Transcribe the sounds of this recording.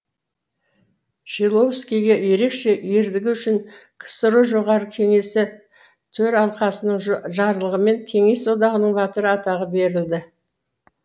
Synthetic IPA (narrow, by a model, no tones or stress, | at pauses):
ʃilˠo̞vskʲijɡʲeje̞ɾe̞kʃe̞jeɾd̪ɪɡʲɪʏʃɪɴqʰə̥səɾuʒo̞ʁɑɾəkʲʰe̞ŋe̞sɪ | t̪ʰɵɾɑlˠqɑsənəɴʒɑɾlˠəʁəme̞ŋkʲʰe̞ŋe̞sod̪ɑʁənəɴbɑt̪əɾəɑt̪ɑʁəbe̞ɾɪld̪ɪ